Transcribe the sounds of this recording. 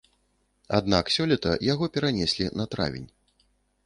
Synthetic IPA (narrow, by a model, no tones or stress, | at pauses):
a̰d̪naksʲɔlʲɛt̪ɐjaɣɔpʲɛɾanʲɛsʲlʲinɐt̪ɾa̰vʲḭnʲ